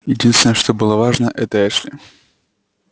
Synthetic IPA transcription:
jɪdʲinst̪vʲɪnəjəʂt̪obɨlˠəvaʐnəʔɛt̪əɛʂlʲɪ

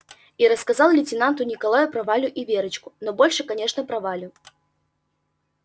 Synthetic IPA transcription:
iɾɐskazalˠlʲɪt͡sʲɪnant̪ʊnʲɪkalˠajʊpɾɐvalʲʊʔivʲɛɾɨt͡ɕkʊ̥nɔbɔlʲʂɨkanʲɛʂnɐpɾɐvalʲʊ

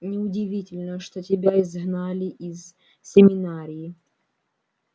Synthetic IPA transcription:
nʲɪʊdʲɪvʲitʲɪlʲnəʂt̪otʲɪbʲaɪzɦnalʲɪʔiz | sʲɪmʲɪnaɾʲɪjː

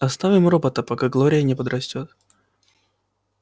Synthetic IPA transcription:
ɐst̪avʲɪmrobət̪əpɐkaɡlˠoɾʲɪjənʲɪpəd̪ɾɐsʲtʲo̞t̪̚

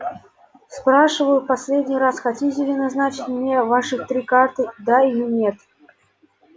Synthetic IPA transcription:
spɾaʂɨvəjʊpasʲlʲedʲnʲijrasxatʲitʲɪlʲɪnaznat͡ɕɪtʲmnʲevaʂɨxt̪ɾʲikart̪ɨd̪aɪjɔnʲet̪

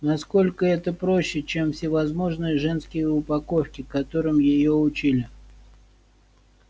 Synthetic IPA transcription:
nɐsko̞lʲkəɛt̪əpɾo̞ɕːɪt͡ɕemfsʲɪvɐzmo̞ʐnɨjəʐɛnskʲɪjəʊpɐko̞fkʲɪkɐt̪o̞ɾɨmjɪjoʊt͡ɕilʲɪ

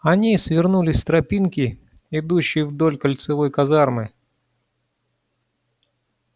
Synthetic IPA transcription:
ɐnʲisvʲɪrnulʲɪsʲst̪ɾɐpʲinkʲɪ | ɪd̪uɕːɪjəvd̪o̞lʲkəlʲt̪sɨvo̞jkɐzarmɨ

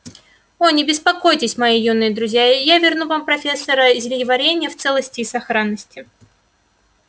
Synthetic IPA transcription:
onʲɪbʲɪspɐko̞jtʲɪsʲmɐjijumnːɨjəd̪ɾʊzʲjajavʲɪrnuvampɾɐfʲe̞sːəɾəzʲɪlʲjɪvɐɾʲenʲɪjəft̪sɛlˠəsʲtʲɪːsɐxɾanːəsʲtʲɪ

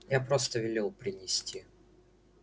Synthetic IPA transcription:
japɾost̪əvʲɪlʲelˠpɾʲɪnʲɪsʲtʲi

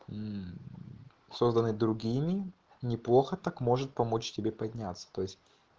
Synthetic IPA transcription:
so̞zd̪ənːɨd̪ɾʊɡʲimʲɪ | nʲɪplˠo̞xət̪akmo̞ʐɨt̪̚pɐmo̞t͡ɕtʲɪbʲepɐdʲnʲat̪sːə̥t̪o̞jɪsʲt̚ʲ

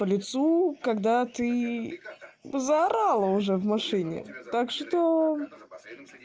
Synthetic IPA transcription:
pəlʲɪt̪sukɐɡd̪at̪ɨ | zəɐɾalˠəʊʐɛvmɐʂɨnʲɪ̰t̪akʂt̪o

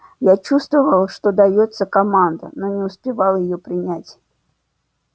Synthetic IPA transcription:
jat͡ɕust̪vəvəlˠʂt̪ɔd̪ajɔt̪sːəkamand̪ə̰nɔnʲɪʊspʲɪvalˠjɪjɔpɾʲɪnʲat͡sʲ

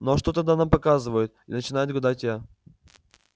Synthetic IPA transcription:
noʂt̪ot̪ɐd̪anampɐkazɨvəjɪt̪̚inət͡ɕɪnajɪt̪̚ɡɐd̪atʲja

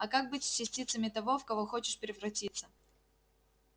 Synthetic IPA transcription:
ɐkak̚bɨtʲsʲt͡ɕːɪsʲtʲit̪səmʲɪt̪ɐvo̞fkɐvo̞xo̞t͡ɕɪʂpʲɪɾʲɪvɾɐtʲit̪sə

